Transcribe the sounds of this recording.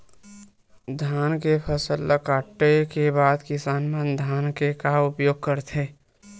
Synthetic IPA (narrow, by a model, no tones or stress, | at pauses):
d̪ʱjaːnkepʰəsəlːəkaːʈːekebaːd̪kɪsaːnmẽnd̪ʱaːnkekaʊpjoːɡ̚kəɾt̪ʰe